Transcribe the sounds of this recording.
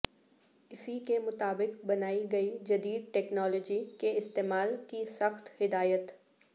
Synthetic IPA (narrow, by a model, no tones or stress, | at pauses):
ɪsikemʊt̪aːbɪqbɐnaːiɡɐid͡ʒɐd̪iːd̪̚ʈɛːknɔːlɔːd͡ʒikeɪst̪eːmaːlkisɐxt̪hɪd̪aːjət̪